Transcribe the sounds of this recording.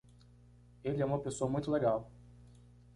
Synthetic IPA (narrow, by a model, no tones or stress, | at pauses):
elɪɛũmɐpesoɐmũj̃t̪ʊleɡaw